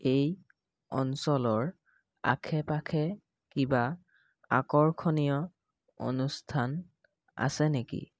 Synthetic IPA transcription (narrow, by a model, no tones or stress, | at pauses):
ej | ɔ̰nsɔlɔɹ | a̰kʰɛpakʰɛ | kiba | a̰kɔɹkʰɔnijɔ | o̰nustʰan | a̰sɛnekḭ